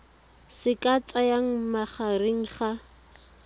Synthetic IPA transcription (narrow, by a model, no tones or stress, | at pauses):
sɪkʼat͡sʼajaŋ̩maχareŋ̩χa